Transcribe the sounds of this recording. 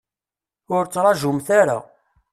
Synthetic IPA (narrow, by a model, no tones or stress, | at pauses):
ʊɾt͡sːɾˤɑʒʊmθaɾa̰